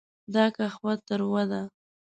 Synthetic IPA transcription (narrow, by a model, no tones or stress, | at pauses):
d̪ɑkaxwat̪əɾwad̪a